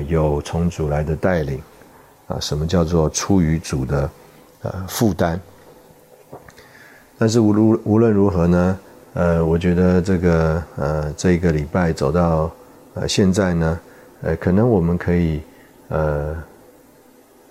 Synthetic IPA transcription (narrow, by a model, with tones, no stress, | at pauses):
jo˨˩ʊt͡sʰʊ˧˥ŋt͡su˨˩la˧˥ɪd̪ə˧t̪a˥˩ɪli˨˩˦ŋ | ə̰˧ʂə˧˥nmə˧t͡ɕjɑ˥˧ʊt͡swɔ˥˧ʈ͡ʂʰu˥y˧˥t͡su˨˩d̪ə˦ | ə̰˧fu˥˩t̪a˥n | t̪a˥˧nʂ̬ɻ̩˥˩u˧˥lwə˥˩nɻu˧˥xɤ˧˥nə˧ | ə˧wɔ˨˩t͡ɕɥɛ˧˥d̪ə˧ʈ͡ʂɤ˥˩ɡə˩ə˧˩ʈ͡ʂɤ˥˩i˧˥ɡə˧li˨˩pa˥˩ɪt͡so˨˩ʊt̪ɑ˥˩ʊ | ə̰˧ɕjɛ˥˧nt͡sa˥˩ɪnə˩ | ə̰˧kʰɤ˨˩nɤ˧˦ŋwɔ˨˩mə˦nkʰɤ˧˥i˨˩ | ə˧˩